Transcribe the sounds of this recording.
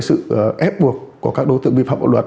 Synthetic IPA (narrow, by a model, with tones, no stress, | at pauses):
jsɨ̰˧˨ʔɛ˦˥p̚ɓu˨˩ək̚ku˨˩kaː˦˥k̚ɗo˨˦t̪ɨ̰˧əŋɓḭ˧˨fa̰ː˧˨mɓa̰˧˩lwə˨˩t̚